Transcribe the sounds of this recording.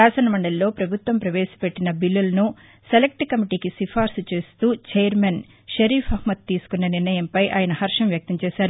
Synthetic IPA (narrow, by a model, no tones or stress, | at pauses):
aːsɐnɐmɐɳɖɐlːo̞ːpɾɐbʱut̪ʋɐmpɾɐʋeːsɐ̥peʈːinɐbilːulɐnu | selek̚ʈkɐmiʈiːkisipʰaːɾsut͡ʃe̞ːst̪uːt͡ʃejɐɾmen | ʃɐɾiːpʰɐɦmɐt̪ːiːsu̥kunːɐniɾnɐjɐmpɐjʔaːjɐnɐɦɐɾʂɐmʋjɐk̚t̪ɐmt͡ʃɛːʃaːɾu